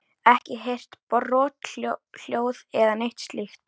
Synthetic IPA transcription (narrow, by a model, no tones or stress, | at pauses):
ɛhcɪɦejr̥t̪prɔːt̪l̥joːwðɛðanejht̪st̪lixt̪̚